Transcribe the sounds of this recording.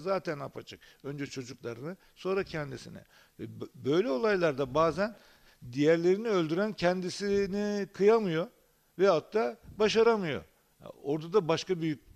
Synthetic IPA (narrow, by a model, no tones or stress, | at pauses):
zaːt̪ʰænapʰat͡ʃʰɯkø̞nd͡ʒɛt͡ʃʰo̞d͡ʒuklˠaɾɯnɯ | so̞nɾacʰɛnd̪isḭnḭ | vɛbø̞jlʲɛo̞lˠajlˠaɾd̪abaːzæn | d̪ijæɾlʲe̞ɾiniølʲd̪yɾæncʰɛnd̪isinikʰɯjamɯjo̞ | vɛhat̪ʰːaːbaʃaɾamɯjo̞̰ | o̞ɾd̪ad̪abaʃkabyjyc̚ʲ